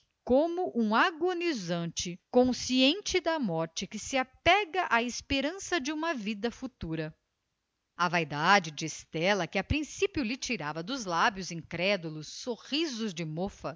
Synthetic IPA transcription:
kõmʊʔũaɡonizɐ̃nt͡ʃɪkõsiẽnt͡ʃɪd̪ɐmɔɾt͡ʃɪkɪsɪapɛɡɐʔaɪspeɾɐ̃sɐd͡ʒɪũmɐvid̪ɐfut̪uɾɐ | ɐvajd̪ad͡ʒɪd͡ʒɪːst̪ɛlɐkɪapɾĩsipjʊlɪt͡ʃiɾavɐd̪ʊzlabjʊzĩkɾɛd̪ulʊsːoʁizʊzd͡ʒɪmofɐ

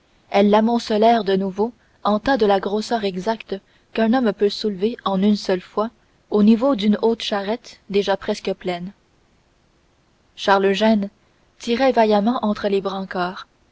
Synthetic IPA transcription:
ɛlːamɔ̃səlɛːʁd̪ənuvo | ɑ̃t̪ad̪əlaɡʁosœːʁɛɡzakt̪ | kɛ̃nɔmpøsulveɑ̃nynsœlfwa | onivod̪ynoːt̪ʃaʁɛt̪d̪eʒapχɛskəplɛn | ʃaʁləʒɛn | t̪iʁɛvajamɑ̃ʔɑ̃t̪χəlebʁɑ̃kaːʁ

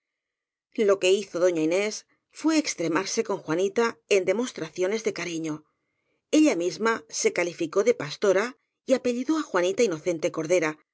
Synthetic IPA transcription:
lo̞ke̞iθo̞ðo̞ɲaine̞s | fwe̞ːkst̪ɾe̞maɾse̞ko̞ŋxwanit̪ae̞nd̪e̞mo̞st̪ɾaθjo̞ne̞zðe̞kaɾiɲo̞ | e̞ʎamizmase̞kalifiko̞ðe̞past̪o̞ɾa | iape̞ʎiðo̞axwanit̪aino̞θe̞nt̪e̞ko̞ɾðe̞ɾa

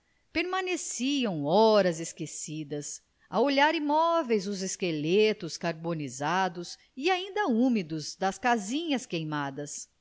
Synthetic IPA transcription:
peɾmanesiɐ̃w̃ɔɾɐzeskesid̪ɐs | ɐoʎaɾimɔvejzʊzeskelet̪ʊskaɾbonizad̪ʊs | iaĩnd̪ɐũmid̪ʊzd̪ɐskazĩɲɐskejmad̪ɐs

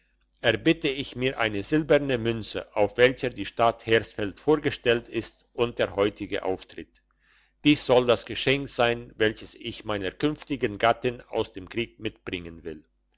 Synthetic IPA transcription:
ʔɛɐbɪtəɪçmiːɐʔa̰ɪnəzɪlbɛʁnəmʏnt͡sə̰ʔaʊfv̥ɛlçədiːʃtatheːɐsfɛltfoːɐɡəʃtɛltɪst | ʔʊnt̚d̥eːɐhɔʏtɪɡə̰ʔa̰ʊftʁ̥ɪt | d̥iːsz̥ɔldasɡ̥əʃɛŋkz̥aɪnvɛlçəsɪçmaɪnəɐkʰʏnftɪɡənɡatɪna̰ʊsd̥eːmkʁ̥iːk̚mɪtb̥ʁɪŋənvɪl

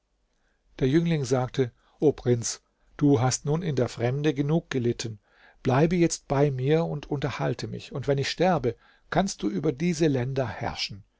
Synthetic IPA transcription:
d̥eːɐjʏŋlɪŋzaːk̚tʰə | ʔoːpʁ̥ɪnt͡s | d̥uːɦastnuːnɪndeːɐfʁ̥ɛmdəɡənuːk̚ɡ̥əlɪtʰən̩ | b̥laɪbəjɛt͡st̚b̥aɪmiːɐʊntʰʊntɐhaltʰəmɪ̰çʊntv̥ɛnɪçʃtɛɐbə | kʰanst̚d̥uːʔyːbɐdiːzəlɛndɐhɛ̰ɐʃn̩

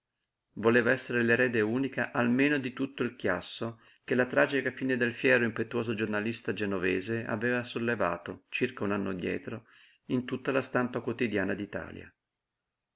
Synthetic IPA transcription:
voleːvaɛsːeɾeleɾɛːd̪euːnikaʔalmeːnod̪it̪ut̪ːoilkja̰sːo | kelat̪ɾaːd͡ʒikafiːned̪elfjɛːɾoimpet̪ːuwoːzod͡ʒornalist̪ad͡ʒenovɛːzea̰vɛːvasolːeva̰ːt̪ot͡ʃirkaunanːo̰d̪jɛ̰ːt̪ɾo | int̪ut̪ːalast̪ampakwot̪id̪jaːnad̪it̪a̰ːlja̰

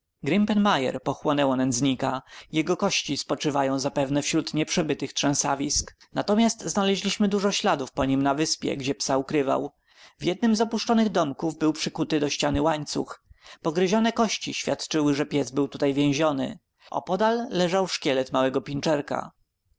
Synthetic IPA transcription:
ɡɾimpɛnmajɛ̰ɾpɔxwɔnɛwɔnɛnd̪zɲikajɛɡɔkɔɕt͡ɕispɔt͡ʂɘvajɔ̃w̃zapɛvnɛfɕɾut̪ɲɛpʂɛbɘt̪ɘxt̪ʂɛ̃savʲisk | nat̪ɔmʲjast̪znalɛʑlʲiɕmɘd̪uʐɔɕlad̪ufpɔɲimnavɘspʲjɛ̰ɡd͡ʑɛpsaukɾɘva̰w | vʲjɛd̪̚nɘmzɔpuʂt͡ʂɔnɘɣd̪ɔmkuvbɘwpʂɘkut̪ɘd̪ɔɕt͡ɕanɘwaɲt̪sṵxpɔɡɾɘʑɔnɛkɔɕt͡ɕiɕfʲjat̪t͡ʂɘwɘʐɛpʲjɛzbɘwt̪ut̪ajvʲjɛ̃w̃ʑɔnɘ̰ | ɔ̰pɔd̪alːɛʐawʂkʲɛlɛt̪mawɛɡɔpʲint͡ʂɛɾka̰

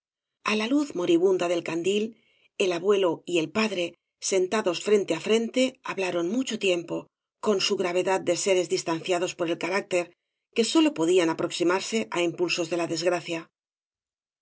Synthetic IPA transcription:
alaluθmo̞ɾiβ̞und̪aðe̞lkand̪il | e̞laβwe̞lo̞ie̞lpaðɾe̞ | se̞nt̪aðo̞sfɾe̞nt̪eafɾe̞nt̪e̞aβlaɾo̞nmut͡ʃo̞t̪je̞mpo̞ | ko̞nsuɣɾaβ̞e̞ðad̪̚d̪e̞se̞ɾe̞zðist̪an̟θjaðo̞spo̞ɾelkaɾak̚t̪e̞ɾ | ke̞so̞lo̞po̞ðianapɾoksimaɾse̞ʔaimpulso̞zðe̞laðe̞zɣɾaθja

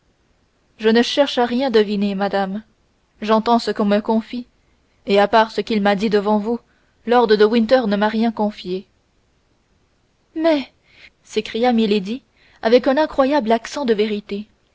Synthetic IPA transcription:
ʒənəʃɛʁʃaʁjɛ̃d̪əvinemad̪am | ʒɑ̃t̪ɑ̃səkɔ̃məkɔ̃fi | eapaʁsəkʲilmad̪id̪əvɑ̃vu | lɔʁd̪ʁəd̪əwĩnt̪œʁnəmaʁjɛ̃kɔ̃fje | mɛ | sekχijamiled̪i | avɛkɛ̃nɛ̃kχwajablaksɑ̃d̪əveʁit̪e

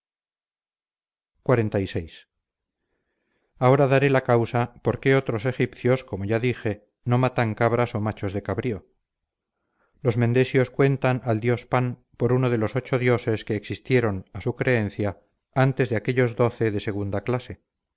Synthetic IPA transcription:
kwaɾe̞nt̪ajsejs | ao̞ɾaðaɾe̞lakawsapo̞ɾke̞o̞t̪ɾo̞se̞xipθjo̞sko̞mo̞ʝaðixe̞ | nomat̪aŋkaβ̞ɾaso̞mat͡ʃo̞zðe̞kaβɾio̞ | lo̞zmẽ̞nd̪e̞sjo̞skwe̞nt̪anald̪jo̞span | po̞ɾuno̞ð̞e̞lo̞so̞t͡ʃo̞ðjo̞se̞ske̞ːksist̪je̞ɾo̞nasukɾe̞e̞n̟θja | ant̪e̞zðeake̞ʎo̞zd̪o̞θe̞ðe̞se̞ɣ̞und̪aklase̞

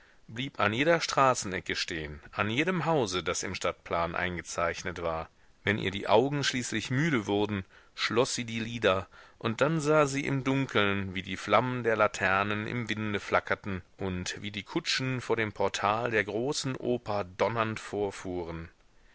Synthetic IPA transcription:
b̥liːpanjeːdɐʃtʁ̥aːsn̩ʔɛkəʃteːənʔanjeːɾəmɦaʊzədasɪ̰mʃtat̚pʰl̥aːnʔa̰ɪnɡət͡saɪçnətv̥aːɐ | vɛnʔḭːɐdḭːʔaʊɡŋ̩ʃliːslɪçmyːɾəvʊɐdn̩ | ʃlɔsz̥iːdiːliːdɐʔʊnt̚d̥anzaːziːʔɪ̰mdʊŋkʰl̩nviːdiːflaməndeːɐlatʰɛɐnənʔɪ̰mvɪndəflakʰɐtn̩ʔʊntviːdiːkʰʊt͡ʃn̩foːɐɾeːmpʰɔɐtʰaːldeːɐɡʁoːsn̩ʔoːpɐdɔnɐntfoːɐfuːʁən

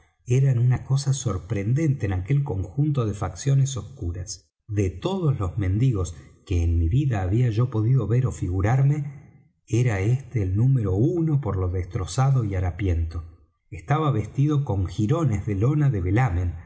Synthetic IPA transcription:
eɾanunako̞saso̞ɾpɾe̞nd̪e̞nt̪eːnake̞lko̞ŋxunt̪o̞ðefaksjo̞neso̞skuɾas | ðet̪o̞ðozlo̞zmẽ̞nd̪iɣo̞skeːnmiβiðaːβiaʒo̞po̞ðiðo̞βe̞ɾofiɣuɾaɾme̞ | eɾaest̪eːlnũmeɾo̞unopoɾlo̞ðest̪ɾo̞saðo̞iaɾapje̞nt̪o̞ | est̪aβaβe̞st̪iðo̞ko̞ŋxiɾo̞nezðelo̞naðeβelamẽn

